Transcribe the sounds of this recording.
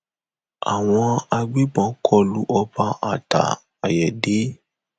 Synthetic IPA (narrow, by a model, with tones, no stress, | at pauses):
a̰˨w̃ɔ̃˧a˧ɡ͡bi˦ɡ͡bɔ̃˨˦kʰɔ˦lu˦ʔɔ˧ba˧ʔa̰˨ta̰˨ | a˨jɛ˨de˨˦